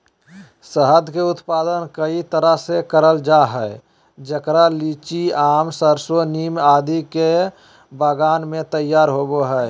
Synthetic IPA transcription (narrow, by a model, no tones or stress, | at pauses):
səɦəd̪ʱkeʊt̪paːd̪ənkəit̪əɾəɦsekəɾəld͡ʒaɦəe | d͡ʒəkɾalit͡ʃiaːmsəɾsonimad̪ike | bəɡaːnmẽt̪əjaːɾɦoboɦə